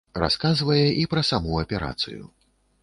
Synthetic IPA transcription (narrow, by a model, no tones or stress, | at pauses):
ra̰skazvɐjɛʔipɾɐsamuɐpʲɛɾa̰t̪sɨ̰jṵ